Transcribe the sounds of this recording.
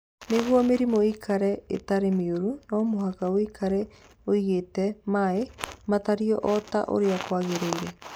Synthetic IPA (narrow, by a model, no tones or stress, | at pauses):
neɣwɔmeɾimoikʰaɾɛḛtaɾemeoɾunɔmoɦakawikʰaɾɛ | oiɣeːtɛmaemataɾiɔʔɔta̰ʔo̰ɾeakwaɣeɾeiɾɛ